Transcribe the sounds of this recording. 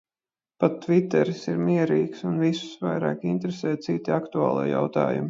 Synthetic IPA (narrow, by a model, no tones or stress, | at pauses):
pat̪ːvit̪ɛɾsiɾmiɛɾiːksunvisʊ̥svajɾa̰ːkint̪ɾesɛːt̪̚t̪sit̪iakt̪uaːlˠḭːja̰wt̪a̰ːjṵmi